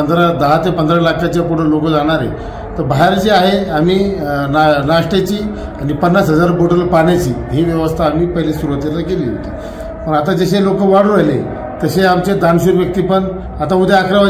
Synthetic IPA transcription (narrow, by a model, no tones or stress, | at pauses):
ənd̪ɾad̪əɦat̪epənd̪ɾalakʰat͡ɕjapuɽ̤ə̃lokəd͡zaɽ̃aɾḛ | t̪əɾbaɦeɾd͡ʑiaɦeamiːnnaʂʈet͡ɕiː | añipənːat͡sɦəd͡zaɾboʈəlpaɽ̃jat͡ɕiːɦiʋjəʋəst̪ʰaːm̤iːpəɦilesuɾuʋət̪et̪akeliːɦo̰t̪i̥̰ː | pəɳat̪ad͡ʑəɕelokəʋaɽɾajle | t̪əɕeamt͡ɕed̪anɕuːɾʋjək̚t̪iːpəɳ | at̪aməd̪ʱːeakɾəma